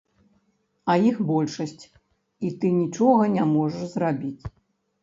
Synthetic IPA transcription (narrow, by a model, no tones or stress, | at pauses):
ɐjixbɔlʲʂɐsʲt͡sʲ | it̪ɨnʲit͡ʂɔɣɐnʲamɔʐɐʂzrabʲit͡sʲ